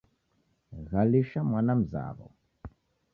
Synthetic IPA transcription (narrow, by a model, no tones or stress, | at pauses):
ɣaliʃamwanam̩za̰βɔ̰